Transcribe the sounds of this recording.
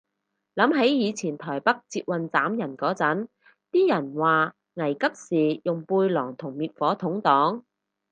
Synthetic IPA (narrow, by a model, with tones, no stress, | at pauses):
lɐ˨˥mɦɐ˨˥jjiː˨˧t͡sʰiː˨˩nt̪ʰɔː˨˩jpɐ˥k̚t͡siː˧t̚wɐ˨nt͡saː˨˥mjɐ˨˩nkɔː˨˥t͡sɐ˨˥n | t̪iː˥jɐ˨˩nwaː˨ | ŋɐ˨˩jkɐ˥p̚siː˨jʊ˨˩ŋpuː˧jlɔː˨˩ŋt̪ʰʊ˨˩ŋmiː˨t̚fɔː˨˥t̪ʰʊ˨˥ŋt̪ɔː˨˥ŋ